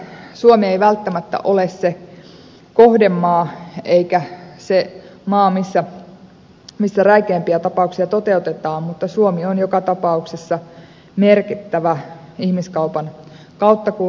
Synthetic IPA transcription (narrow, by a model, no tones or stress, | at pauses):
suomieiʋælt̪ːæmæt̪ːæ̰ʔolesse | kohdemːɑːeikæsemɑːmisːæ | misːæræikeːmpiæt̪ɑpɑuksiɑt̪ot̪e̞ut̪et̪ɑːmmut̪ːɑsuomionjokɑt̪ɑpɑuksesːɑ | merkit̪ːæʋæ | ihmiskɑupɑn | kɑut̪ːɑku